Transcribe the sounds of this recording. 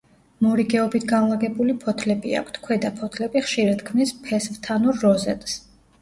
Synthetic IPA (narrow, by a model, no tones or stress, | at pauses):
mɔɾiɡɛɔbit̪ʰɡanlˠaɡɛbulipʰɔt̪ʰlɛbḭa̰kʰt̪ʰkʰwɛd̪apʰɔt̪ʰlɛbiχʃiɾad̪kʰmnispʰɛsvt̪ʰanuɾːɔzɛ̰t̪ʼs